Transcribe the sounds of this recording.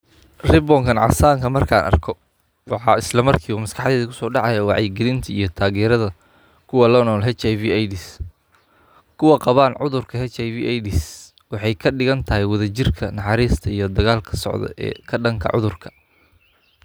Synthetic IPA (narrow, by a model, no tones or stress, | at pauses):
rɪbɔːŋkʰɐnʕɑ̰saːŋkʰɐmɐrkʰa̰ːnʔɐ̰rkʰɔ | wɑħɑɪslɐmɐrkʰiːuːmɐskʰɑħðɛːðikʰʊsɔːɖɑʕɑjɐwɑʕɑjɡɛlɪnt̪ʰɐijɞt̪ʰaːɣɛːɾɐðɐ | kʰʊwɐlɔːnɔːlɦɛt͡ʃajviːajdɪs | kʰʊwɑqɑβaːnʕʊðʊrkʰɐɦɛt͡ʃajviːʔɛjdɪs | wɑħɑjkʰɐɖɪɣɐnt̪ʰɐɦɛjwɐðɐt͡ʃɪrkʰɐnɑħɑɾiːst̪ʰɐijɞd̪ɐɣaːlkʰɐ̥sɔ̰ʕðɔ̰ʔɛ̰ːkʰɐɖɐŋkʰɐ̰ʕʊ̰ðʊrkʰɐ̥